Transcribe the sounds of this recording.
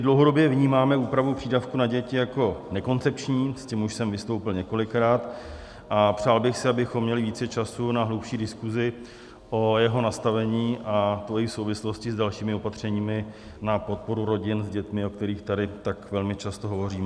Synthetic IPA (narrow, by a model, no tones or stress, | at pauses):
mɪdlowɦo̞do̞bjɛvɲiːmaːmɛuːpɾavupr̝̥iːdafkunaɟɛcɪjako̞nɛko̞nt͡sɛp̚t͡ʃɲiːscɪmuʃsɛmvɪst̪o̞wpɪlɲɛko̞lɪkɾaːt̪ | ʔapr̝̥aːlbɪxsɪabɪxomːɲɛlɪviːt͡sɛt͡ʃasunaɦluwpʃiːdɪskuzɪ | ʔo̞jɛɦo̞nast̪avɛɲiːʔat̪oɪfso̞wvɪslo̞scɪzdalʃiːmɪo̞pat̪r̝̥ɛɲiːmɪ | napo̞t̪̚po̞ɾuɾo̞ɟɪnzɟɛt̪mɪo̞k̚t̪ɛɾiːxt̪adɪt̪akvɛlmɪt͡ʃast̪o̞ɦo̞vo̞riːmɛ